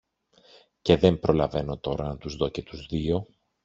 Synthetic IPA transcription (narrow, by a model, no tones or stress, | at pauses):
ce̞ðe̞mpɾo̞lɐve̞no̞t̪o̞ɾɐnɐt̪uzðo̞ce̞t̪uzðio̞